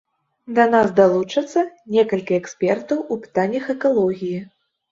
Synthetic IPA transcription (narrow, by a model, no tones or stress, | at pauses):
d̪ɐnasd̪alˠut͡ʂɐt̪sːɐnʲɛkɐlʲkʲiɛksʲpʲɛrt̪ɐwupɨ̥t̪anʲːɐxɛkalˠɔɣʲiji